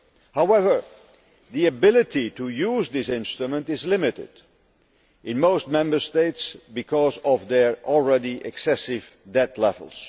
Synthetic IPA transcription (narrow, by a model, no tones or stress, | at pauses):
hawɛvə˞ | ðiɨbɪlˠɨtitujuzðɪsɪ̃nstɹumə̃ntɨzlɪmɪɾɪ̰d | ɪ̃nmoʊst̚mɛ̃mbə˞steɪtsbɨkʰɔzɔvðə˞ɔl̩ˠɹɛdiʔɛksɛsɪv | dɛt̪lɛv̰l̩ˠs